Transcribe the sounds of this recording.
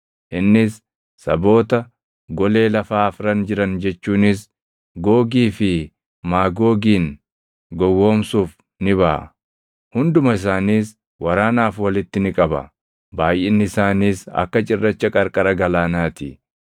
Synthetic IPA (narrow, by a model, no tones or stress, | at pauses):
ʔɪnːɪsː | ɐbo̞ːt̪ɐ | ɡɔle̞ːlɐfaːfɾɐnd͡ʒɪɾɐnd͡ʒɛt͡ʃːuːnɪs | ɡo̞ːɡiːfɪ | maːɡo̞ːɡiːn | ɡɔwːo̞ːmsuːf | nɪβɐʔɐ̰ | hʊnd̪ʊmɐɪs̬aːniːs | wɐɾaːnaːfwɐlɪt̪ːɪnɪkʼɐbɐ̰ | baːjʔɛnːɪɪsaːniːsɐ̰kːɐt͡ʃʼɪrːɐt͡ʃːɐkʼɐɾkʼɐɾɐɡɐlaːnaːt̪ɪ